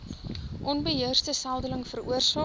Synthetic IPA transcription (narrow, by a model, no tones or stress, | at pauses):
ʔɔnbəɦiərstəsælˠdələŋfəruərsɑː